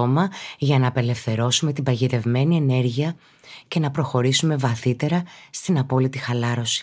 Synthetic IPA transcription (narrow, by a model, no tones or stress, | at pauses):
omɐʝɐnɐːpe̞le̞fθe̞ɾo̞sume̞t̪ibɐʝit̪e̞vme̞niene̞ɾʝiɐ | ce̞nɐpɾo̞xo̞ɾisume̞vɐθit̪e̞ɾɐst̪inɐpo̞lit̪ixɐlɐɾo̞si̥